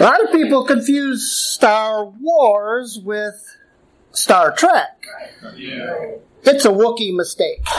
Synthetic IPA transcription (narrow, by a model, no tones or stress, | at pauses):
əlɑɾʌv̥pipl̩ˠkɨ̃ɱfjʉz̥stɑɹwɔɹzwɪð̥ | stɑɹtʰɹ̥æk | ɨtsəwʊkimɨsteɪk